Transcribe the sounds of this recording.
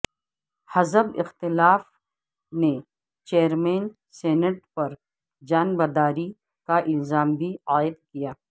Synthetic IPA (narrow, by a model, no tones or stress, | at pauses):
hɐzəbɪ̰xt̪ɪlaːf | ne | t͡ʃeːəɾmeːn | seːnəʈpɐɾ | d͡ʒaːnbɐd̪aːɾi | kaʔɪlzaːmbʱiaːɪd̪̚kijaː